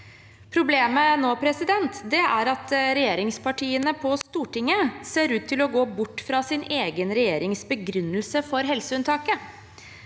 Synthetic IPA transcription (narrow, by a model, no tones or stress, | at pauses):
pʰɾʊbleːmənoːpʰɾɛsɪd̪ɛnt̪d̪ɛæɾɑt̪ɾɛjeːɾɪŋspɑʈʰiːənəpʰɔst̪uːʈɪŋːəseːɾʉːt̪ʰːɪlɔɡoːbʊʈːfɾɑːsɪneːɡənɾɛjeːɾɪŋsbəɡɾʉnːəlsəfɔɾɦɛlsəʉnt̪ʰɑːkə